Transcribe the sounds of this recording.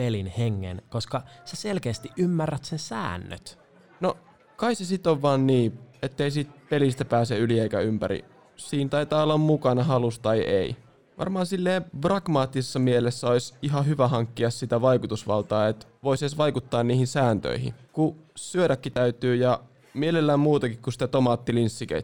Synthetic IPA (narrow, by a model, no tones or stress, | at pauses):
pelinheŋːḛnkoskɑseselkeːst̪iʔymːærːæt̪sensæ̰ːnːø̰t̪ | no | kɑisesit̪oʋːɑːnːiːet̪ːeisit̪̚pelist̪æpæːseylieikæ̰ympæ̰ɾḭ | siːnt̪ɑit̪ɑːolːɑmmukɑnɑɦɑlust̪ɑjʔḛi | ʋʔɑ̰rmɑːnsilːeːprɑɡ̥mɑːt̪ːisesːɑmielesːæoisiɦɑhyʋæɦɑŋkːiɑssit̪æʋɑikut̪usʋɑ̰lt̪ɑːet̪ʋoissʋɑikut̪ːɑːnniːhinsæːnt̪ø̰ihḭkusyødækːit̪æyt̪yːjɑ | mielelːæːmmuːt̪ɑkikkusi̥t̪æt̪omɑːt̪ːilinsːikḛt̪